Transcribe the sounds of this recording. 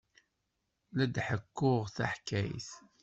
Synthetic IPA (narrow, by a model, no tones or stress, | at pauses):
læd̪ħəkːʊʁθa̰ħkːæjθ